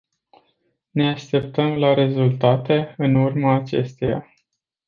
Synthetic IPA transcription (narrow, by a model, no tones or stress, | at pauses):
ne̞aʃt̪e̞p̚t̪əmlaɾe̞zult̪at̪e̞ɨnurmaːt͡ʃe̞̰st̪eja̰